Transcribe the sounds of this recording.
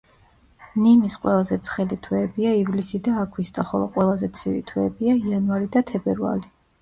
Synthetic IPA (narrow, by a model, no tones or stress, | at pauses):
nimisqʼwɛlˠazɛt̪sʰχɛlit̪ʰwɛːbiaivlisid̪aːɡʰwist̪ʼɔχɔlˠɔqʼwɛlˠazɛt̪sʰivḭt̪ʰwɛːbiaianvaɾid̪at̪ʰɛbɛɾva̰li